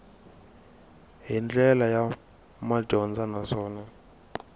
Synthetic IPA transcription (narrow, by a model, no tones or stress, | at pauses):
ɦind͡ɮɛlaja | maɟʱɔnd͡zanasɔːna